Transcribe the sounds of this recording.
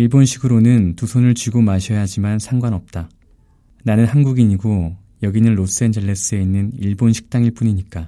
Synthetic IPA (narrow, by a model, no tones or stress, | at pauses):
iɭbonɕʰiɡɯɾonɯntusʰonɯɭt͡ɕiɡomaɕʰʌjaɦad͡ʑimansʰaŋɡwanʌp̚t͈a | nanɯnhanɡuɡiɲiɡo | jʌɡinɯnɾos͈ɯe̞nd͡ʑʌɭːes͈ɯe̞inːɯniɭbonɕʰi̥k̚t͈aŋiɭp͈uɲiɲik͈a